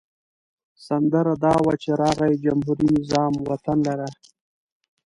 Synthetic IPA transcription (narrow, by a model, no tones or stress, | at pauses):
sand̪əɾad̪ɑwat͡ʃeɾɑɣajd͡ʒamɦuɾinɪzɑmwat̪anlaɾa